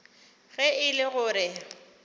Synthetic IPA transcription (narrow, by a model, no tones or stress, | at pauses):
ɣɛɪlɪɣʊːɾɪ